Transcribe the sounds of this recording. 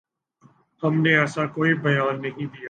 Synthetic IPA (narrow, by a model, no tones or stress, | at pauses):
hɐmneɛsakoːibɐjaːnːɐɦĩd̪ija